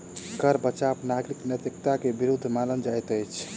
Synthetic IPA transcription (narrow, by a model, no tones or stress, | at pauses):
kəɾbət͡ʃapnaɡɾiknjət̪ikt̪akebiɾud̪ʱːmalənd͡ʒajt̪əjt͡ʃʰ